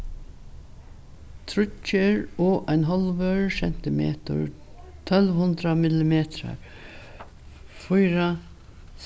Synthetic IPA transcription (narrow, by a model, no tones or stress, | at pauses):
t̪ʰɾʏt͡ʃːəɹɔːʔaɪnɦɔlʋœɹsɛn̥t̪ɪmḛːt̪ʊ̰ɹ | t̪ʰœlʋhʊnd̪ɾamɪlɪmeːt̪ɾa̰ɹ | fʊjɾa